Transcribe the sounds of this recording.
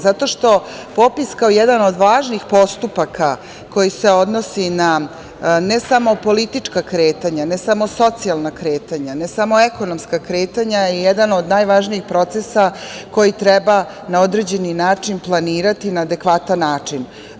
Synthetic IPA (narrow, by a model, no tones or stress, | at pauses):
zat̪o̞ʃt̪o̞ | po̞piskaojed̪ano̞d̪ʋaːʒnixpo̞st̪upakʰa | ko̞jise̞o̞d̪no̞sina | nesamo̞po̞lit̪it͡ʂkakɾeːt̪aɲanesamo̞so̞t̪sialˠnakɾe̞ːt̪aɲanesamo̞eko̞nomskakɾe̞ːt̪aɲajijed̪ano̞d̪naːjʋaʒnijixpɾo̞t̪sesako̞jit̪ɾeba | nao̞d̪ɾe̞d͡ʑe̞ninaːt͡ʂinplˠaniːɾat̪inaːd̪e̞kʋat̪anːaːt͡ʂin